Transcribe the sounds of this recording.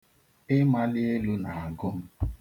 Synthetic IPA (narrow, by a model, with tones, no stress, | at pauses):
ɪ˦ma˦lɪ˦e˦lu˦na˨a˨ɡʊ˦m̩˦